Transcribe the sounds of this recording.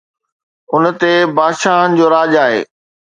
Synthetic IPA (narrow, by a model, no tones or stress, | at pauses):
ʊnt̪ebaːd̪ʃaːɦənɪ̆d͡ʑoːɾaːʄaːɦḛː